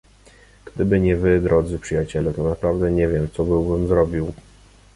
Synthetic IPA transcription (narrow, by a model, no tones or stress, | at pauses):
ɡ̥d̪ɘbɘɲɛvɘd̪ɾʔɔd̪zɘpʂɘjat͡ɕɛlɛt̪ɔnapɾavd̪ɛɲɛvʲjɛmt̪sɔbɘwbɘmzɾɔbʲiw